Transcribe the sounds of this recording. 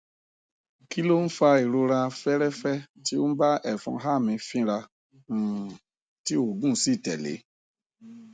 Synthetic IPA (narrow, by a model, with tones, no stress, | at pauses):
ki˦lo˦n̩˦fa˧e˨ɾo˧ɾã˧fɛ˦ɾɛ˦fɛ˦ti˦o˦n̩˦ba˦ɛ˦˨fṵ̃˧ɦa˦˨mĩ˧fĩ˦ɾã˧˨ | ti˦o˦˨ɡũ˦si˦˨tɛ̰˨lḛ˨˦